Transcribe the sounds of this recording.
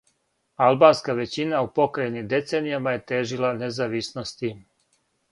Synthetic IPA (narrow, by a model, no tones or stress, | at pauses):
alˠbaːnskaʋet͡ɕinaupo̞kɾajnimd̪e̞t̪seːnijamaje̞t̪eːʒilanezaːʋisnost̪iːm